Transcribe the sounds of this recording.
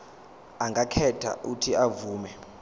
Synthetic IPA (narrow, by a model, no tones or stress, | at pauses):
aŋɡʱakʰɛtʰa̰ʔutʰiavuːmɛ